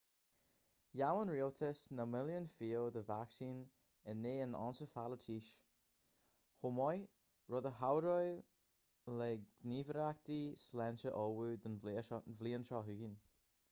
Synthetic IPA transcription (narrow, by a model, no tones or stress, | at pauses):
jawənɹioltʰɪsnəmɪljənfiːlˠðəvaksĩn | ɪnːeːənɔ̰nsəfalətʰiʃ | homɔj | ɹɔðəɦawɾɔj | lɛɡ̥nivəɾak̚t̪islɛnʃəʔɔwud̪ənvliənʃɔɦʉɡin